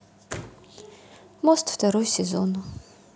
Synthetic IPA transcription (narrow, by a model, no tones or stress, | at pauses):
mɔst̪ft̪ɐɾɔjsʲɛzonu